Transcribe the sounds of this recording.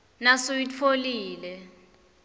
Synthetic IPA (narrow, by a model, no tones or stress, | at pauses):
nasojit͡fʰoliːlɛ